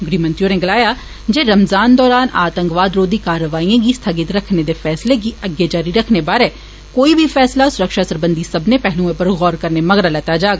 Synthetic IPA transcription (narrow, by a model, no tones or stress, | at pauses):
ɡɾimɐnt̪ɾijoɾnẽɡɐlaːja | d͡ʒeːɾɐmzaːnd̪ɔːɾaːnaːt̪ə̃ŋkʋaːd̪ɾoːd̪ikaːɾːəʋaːijõk̬ist̪ʰɐɡɪt̪ɾɐkʰned̪efɛːslek̬iɐɡjed͡ʒaːɾiɾɐkʰnebaːɾɦɛː | koːibʱifɛːslasʊɾəkʃasɐɾbə̃nd̪ʱisɐbnepɛɦluːẽpɐɾɣɔːɾkɐɾnemɐɣɾalat̪aːd͡ʒaːɡa